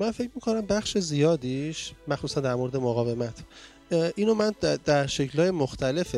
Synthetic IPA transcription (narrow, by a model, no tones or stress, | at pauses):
mænfe̞cʰmiːkʰo̞næmbæxʃezijɒːd̪iːʃmæxsuːsænd̪æɾmo̞ɾed̪emoɣɒːve̞mæt̪ʰ | ʔiːnomænd̪̥æɾʃecʰlhɒːjemoxt̪ʰæle̞fe